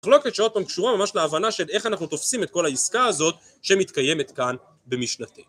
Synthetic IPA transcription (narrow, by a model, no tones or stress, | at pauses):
aχlo̞ket̪ʃeot̪̚pamkʃuʁamamaʃleaːvanaʃe̞le̞χanaχnut̪o̞fsime̞t̪̚ko̞laiskaːzo̞t̪̚ | ʃemit̪kaje̞me̞t̪kan | bemiʃnat̪e